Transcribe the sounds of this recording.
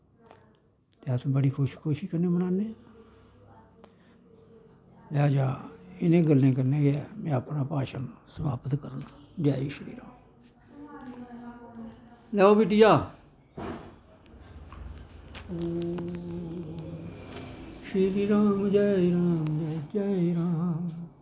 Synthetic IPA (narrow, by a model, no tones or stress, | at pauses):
t̪eːət̪ʰbəɽiːkʰoʃkʰoːʃiːkəɾnẽːmənaːneː | laːd͡ʒaːɪnẽːɡəlnẽːk̬əɾneːɡɛːmɛ̃ːəpnaːpaːʃənsəmaːpət̪kəɾənt̪ʰad͡ʒaːiːʃəɾḭːɾãːo | lɛːoːbiːʈijaː | ʃɾiːɾãːmd͡ʒaːɾãːmd͡ʒaːd͡ʒaːɾãː